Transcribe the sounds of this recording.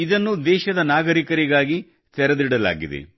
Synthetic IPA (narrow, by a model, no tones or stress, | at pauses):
id̪ɐnːud̪ɛːʃɐd̪ɐnaːɡɐɾikɐɾiɡaːɡi | t̪ɛɾɐd̪iɽɐla̰ːɡid̪ḛ